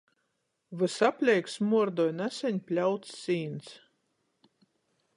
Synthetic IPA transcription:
vɨsapʲlʲɛjksmuɔɾd̪ɔjnæsʲɛɲʲpʲlʲawt̪sːiːns

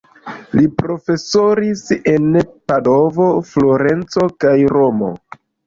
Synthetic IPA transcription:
lipɾo̞fe̞so̞ɾise̞npado̞vo̞flo̞ɾe̞nt͡so̞kajɾo̞mo̞̰

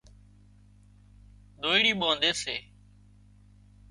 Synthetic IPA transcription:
ɗ̪oːiɽiːɓoːnd̪eːseː

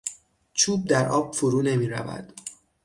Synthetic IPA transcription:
t͡ʃʰuːb̚d̪æɾʔɒːb̥foɾuːne̞miːɾæ̰væ̰d̪̥

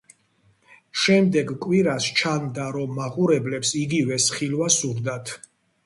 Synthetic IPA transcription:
ʃɛmd̪ɛɡkʼwiɾast͡ʃʰand̪aɾɔmːaʁʼuɾɛblɛpsiɡivɛsχilwasuɾd̪at̪ʰ

